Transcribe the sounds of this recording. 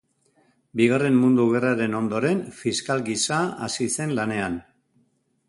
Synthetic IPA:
biɣ̞are̞mmund̪uɣ̞e̞raɾe̞no̞nd̪o̞ɾe̞nfiskalɡisaa̰sise̞nlane̞an

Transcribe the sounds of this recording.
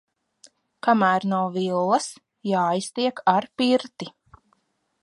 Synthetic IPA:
kamæːɾnawvilˠːɐs | jaːjst̪iɛkʰaɾpiɾt̪i

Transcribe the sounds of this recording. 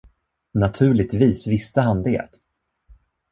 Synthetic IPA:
nat̪ʰʉ̟ːɭɪt̪viːsvɪst̪əɦand̪ḛːt̪

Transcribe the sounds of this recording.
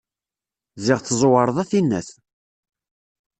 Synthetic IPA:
zɪʁθzˤwəɾˤəðˤæθinːæ̰θ

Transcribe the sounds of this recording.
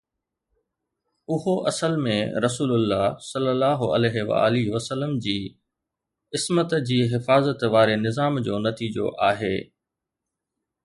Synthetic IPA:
ʊɦoʔɐsəlmẽɾɐsuːlʊlːaːsɐlːəlːaːɦoɐ̰lɛːɦeʋa̰ːlɪʋɐsəlːəmd͡ʑiː | ɪsmət̪d͡ʑiːɦɪfaːzət̪ʋaːɾenɪzaːmd͡ʑoːnɐt̪iːd͡ʑo̰ʔaːɦeː

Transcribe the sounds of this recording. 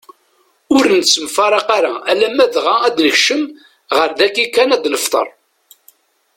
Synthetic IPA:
ʊɾnsːəmfɑɾˤɑqaɾaælæmːæðʁaæd̪nəçʃəm | ʁəɾðækːikːænæd̪ləft̪ˤə̰ɾˤ

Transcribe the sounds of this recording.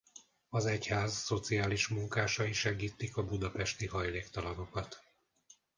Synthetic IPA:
ɒzɛchaːzːo̞t̪siaːliʃmuŋkaːʃɒiʃɛɡiːt̪ːikɒbud̪ɒpɛʃt̪ihɒjleːkt̪ɒlɒno̞kɒt̪

